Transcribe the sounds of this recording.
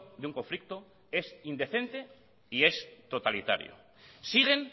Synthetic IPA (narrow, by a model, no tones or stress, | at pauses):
d̪euŋko̞ɱflik̚t̪o | e̞sind̪e̞θe̞nt̪e̞ | ie̞st̪ot̪alit̪a̰ɾjo̰ | siɣ̞e̞n